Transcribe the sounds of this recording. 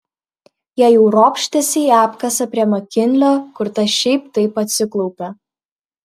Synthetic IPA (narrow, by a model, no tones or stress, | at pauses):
jæːjɛʊɾoːpʲʃʲt̪ʲɛsʲɛɪæːpkɐsɐpʲɾʲiɛmɐkʲɪnʲlʲoːkʊɾt̪ɐʃʲɛɪp̚t̪ɐɪpɐt̪ʲsʲɪklˠɔʊpʲɛ